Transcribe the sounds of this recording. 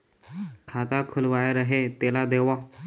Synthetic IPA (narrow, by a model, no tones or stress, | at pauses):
kʰat̪akʰulʋajɾəɦet̪elad̪eʋa